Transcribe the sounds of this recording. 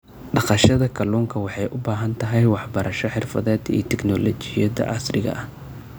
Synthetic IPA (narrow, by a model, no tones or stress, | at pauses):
ɖɑqɑʃɐðɐkʰɐluːŋkʰɐwɑħɑjʔʊbaːɦɐnt̪ʰɐɦɛjwɑħbɐɾɐʃɔħɪrfɐðɛːd̪ḭːt̪ʰɛknɔlɔt͡ʃɪjɐðɐ̰ʔɑsrɪɣɐ̰ʔɐh